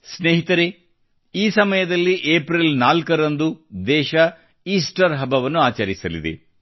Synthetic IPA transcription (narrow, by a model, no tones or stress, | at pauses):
sneːɦit̪ɐɾe | iːsɐmɐjɐd̪ɐlːiʔeːpɾilnaːlkɐɾɐnd̪ud̪ɛːʃɐ | iːsʈɐɾɦɐbɐʋɐnːuaːt͡ʃɐɾisɐlḭd̪ḛ